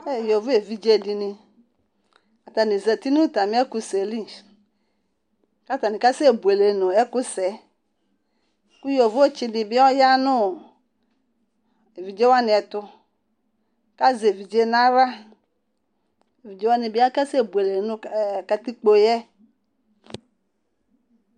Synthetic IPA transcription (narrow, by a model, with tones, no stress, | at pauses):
ɛ˦˨jo˨vu˦e˨vi˨d͡ʒe˦˨di˨nɪ˨ | a˨t̪a˨ni˨zɛ˨t̪i˦nũ˦ta˨mĩ˦ɛ˦ku˦se˨li˦ | ka˦t̪a˨ni˨ka˦si˦e˨bu˨e˨le˨nʊ̃˨ɛ˦ku˦sɛ˨ | ku˦jo˨vu˦o˦t͡ʃi˦nɪ˨bi˦ɔ˦ja˦nʊ̃˦˨ | e˨vi˨d͡ʒe˦wa˦nɪ̃˨ɛ˨t̪ʊ˦ | ka˦ze˨vi˨d͡ʒe˦nã˦ɾa˦ | e˨vi˨d͡ʒe˦wa˦ni˨bi˦a˦ka˦se˦˨bu˨e˨le˨nʊ̃˦˨ka˨t̪i˦k͡po˨jɛ˦